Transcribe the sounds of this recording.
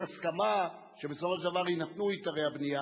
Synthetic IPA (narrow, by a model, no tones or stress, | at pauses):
askama | ʃebe̞sofo̞ʃ̬d̪avaʁinat̪nuit̪aʁejabnija